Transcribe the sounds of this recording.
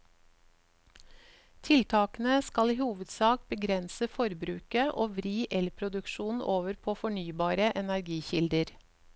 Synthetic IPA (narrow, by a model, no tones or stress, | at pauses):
t̪ʰɪlt̪ʰɑːkn̩əskɑliːhuːʋəd̪sɑːkbəɡɾɛnsəfɔɾbɾʉːkəʔoːʋɾiːʔɛlpʰɾʊd̪ʉkʃuːn̩ʔoːʋəɾpʰoːfɔɳyːbɑːɾəʔɛnæɾɡiːçɪld̪əɾ